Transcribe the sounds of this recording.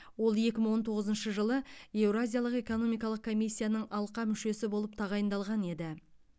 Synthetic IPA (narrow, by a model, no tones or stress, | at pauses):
wo̞lˠje̞kʲɪməɴwo̞nt̪ʰo̞ʁəzənʃəʒəlˠəe̞wɾazʲijalˠəqe̞ko̞no̞mijkɑlˠəq̚kʰo̞mʲijsʲːijanəɴɑlˠqɑmʏʃe̞sɪbo̞lˠəp̚t̪ʰɑʁɑjənd̪ɑlˠʁɑne̞d̪ɪ